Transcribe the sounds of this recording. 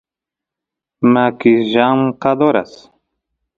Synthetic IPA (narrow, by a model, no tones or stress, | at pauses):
makiʒamqad̪oɾa̰s